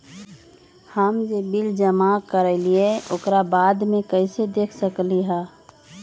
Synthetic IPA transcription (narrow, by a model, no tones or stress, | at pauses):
həmd͡ʒebɪld͡ʒəmakəɾɛlieokɾabaːd̪mẽkəɪsed̪eːkʰsəkliɦɛː